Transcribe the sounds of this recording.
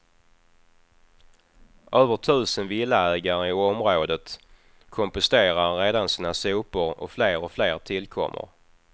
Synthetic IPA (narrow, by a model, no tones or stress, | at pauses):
ʔøːvəʈʰʉ̟ːsənvɪlːaæːɡaɾəɪɔmɾoːd̪ət̪ | kʰɔmpʊst̪eːɾaːeːd̪ansiːnasuːpʊɾɔ̰fleːɾɔfleːɾt̪ʰɪlkʰɔ̰mːʔə̰ɾ